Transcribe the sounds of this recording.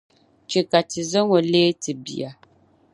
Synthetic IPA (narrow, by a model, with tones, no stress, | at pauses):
t͡ʃe˨ka˨ti˨zə˦ŋo˨leː˦ti˨bḭ˨a˨